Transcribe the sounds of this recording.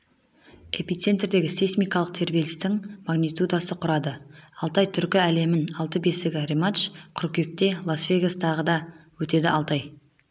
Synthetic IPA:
epit̪se̞nt̪rd̪e̞ɡʲɪsesmijkɑlˠəq̚t̪ʰe̞ɾbelɪst̪ɪŋmaɡnit̪ud̪asəqʰʊɾɑd̪əɑlˠt̪ɑjt̪ʰʏɾkʲɪæle̞mɪnɑlˠt̪əbe̞sɪɡʲɪremaʃqʰʏɾkʲe̞k̚t̪e̞lˠasvʲe̞ɡast̪ɑʁəd̪ɑwɵt̪e̞d̪ɪɑlˠt̪ɑj

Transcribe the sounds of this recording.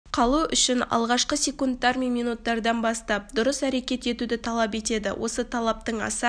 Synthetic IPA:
qʰɑlˠuʔʏʃɪnɑ̰lˠʁɑʃqəsʲe̞kunt̪ːɑɾmenmijnut̪ːɑɾd̪ɑnbɑst̪ɑp̚d̪ʊɾəsæɾe̞kʲe̞t̪e̞t̪ud̪ɪt̪ʰɑlˠɑpe̞t̪e̞d̪ɪ̰wʔo̞̰sət̪ʰɑlˠɑp̚t̪əɴɑ̰sɑ

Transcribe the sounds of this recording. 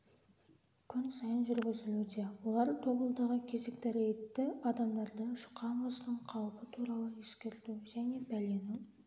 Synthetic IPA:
kʲʰʏnsɑjənʒʏɾɡʲʏzɪlud̪e̞wo̞lˠɑɾt̪ʰo̞bəlˠd̪ɑʁəkʲʰe̞ze̞kt̪æɾejt̪ːɪɑd̪ɑmd̪ɑɾd̪əʃʊ̥qɑbosənəɴqʰɑwəpət̪ʰuɾɑlˠəjeskʲe̞ɾt̪uʒæne̞bæle̞nu

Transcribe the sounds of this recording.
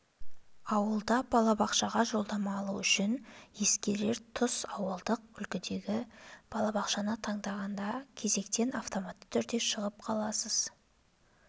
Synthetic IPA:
ɑwəlˠd̪ɑbɑlˠɑbɑqʃɑʁɑʒo̞lˠd̪ɑmɑːlˠuʏʃɪnje̞skʲe̞ɾle̞ɾt̪ʰʊsɑwəlˠd̪əq̚ʏlkʲɪd̪e̞ɡʲɪb̥ɑlˠɑbɑqʃɑnət̪ʰɑɴd̪ɑʁɑnd̪ɑkʲʰe̞ze̞kt̪e̞nɑft̪o̞mat̪ːə̥t̪ʰʏɾd̪e̞ʃəʁəp̚qʰɑlˠɑsəz̥

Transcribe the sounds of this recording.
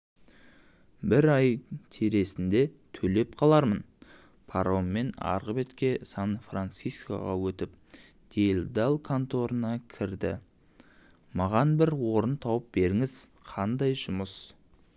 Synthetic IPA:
bɪɾɑjt̪ʰeɾe̞sɪnd̪e̞t̪ʰɵle̞p̚qʰɑlˠɑɾmən | pʰaɾomːe̞nɑ̰ɾʁəbe̞t̪kʲe̞sɑnfrant̪sijska̰ʁɑ̰wɵt̪ɪp̚ | d̪̥elʲd̪ɑlˠkʰant̪o̞ɾənɑkʲʰɪɾd̪ɪ̰ | mɑʁɑnbɪɾwo̞ɾənt̪ʰɑwəp̚be̞ɾɪŋɪz̥qʰɑnd̪ɑjʒʊməs

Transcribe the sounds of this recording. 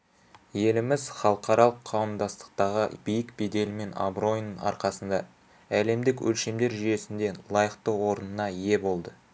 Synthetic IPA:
je̞lɪmɪzχɑlˠəqɑɾɑlˠəqʰːɑwəmd̪ɑst̪ə̥q̚t̪ɑʁə̰bijɪkbe̞d̪e̞lme̞na̰bro̞jnəɑ̰ɾqɑsənd̪ɑ | æle̞md̪ɪkwɵ̰lʃe̞md̪e̞ɾʒʏje̞sɪnd̪e̞lˠɑjəqt̪əwo̞ɾənənɑje̞bo̞lˠd̪ə

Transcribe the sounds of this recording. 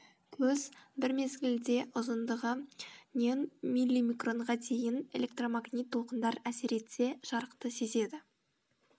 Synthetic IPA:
kʲʰɵzbɪɾme̞zɡʲɪld̪e̞ʔʊzənd̪əʁənʲenmilʲːijmijkro̞ɴʁɑd̪e̞jɪne̞̰lʲe̞k̚t̪ro̞maɡnijt̪ʰːolˠqənd̪ɑɾæse̞ɾe̞t̪se̞ʒ̥ɑɾəqt̪əse̞ze̞d̪ɪ

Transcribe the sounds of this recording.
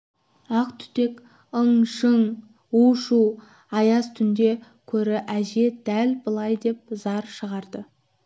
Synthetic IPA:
ɑqt̪ʰʏ̥t̪e̞k | əɴʃəɴ | uʃu | ɑjɑst̪ʰʏnd̪e̞ | kʲʰɵɾɪʔæʒe̞d̪̥ælbəlˠɑjd̪e̞p̚zɑɾʃəʁɑɾd̪ə

